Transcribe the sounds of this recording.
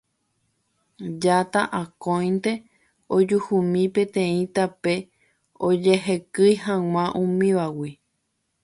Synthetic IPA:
d͡ʒat̪aʔakõj̃nt̪e̞ | od͡ʒuhumĩpẽt̪ẽĩt̪ape̞ | od͡ʒeɦekɨjɦãw̃ãʔũmĩʋawi

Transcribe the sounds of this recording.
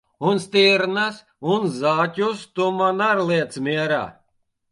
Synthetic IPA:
unst̪iɾnas | unzaːtʲust̪umanaɾlˠiɛt̪smʲiɛɾa̰ː

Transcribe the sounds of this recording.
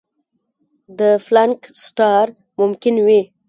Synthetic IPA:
d̪əflaŋksʈɑɾ | mʊmkɪnwi

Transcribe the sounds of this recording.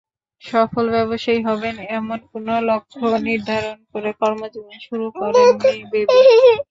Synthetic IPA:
ʃɔfolbɛβoʃaiɦɔbenɛmonkonolokʰːoniɾd̪ʱaɾonkoɾekɔɾmod͡ʑuɡiʃuɾukɔɾnebeb

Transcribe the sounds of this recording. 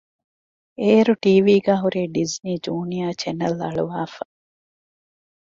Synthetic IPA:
eːɾuʈiːʋiːɡæːɦuɾeːɖizniːd͡ʒuːnijaːt͡ʃenɐlɐ̰ɭuʋaːfɐ

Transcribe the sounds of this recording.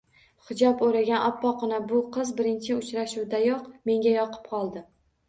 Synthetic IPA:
χɪd͡ʒɒpoɾaɡʲanʔɒpːɒqʰɨnabʊqʰɨzbɪɾɪnt͡ʃʰɪʊt͡ʃɾaʃuwd̪ajɒqme̞ŋɡʲajɒqʰɨ̥p̚qʰɒlˠd̪ɪ

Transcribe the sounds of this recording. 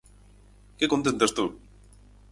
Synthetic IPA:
kekont̪ent̪est̪u

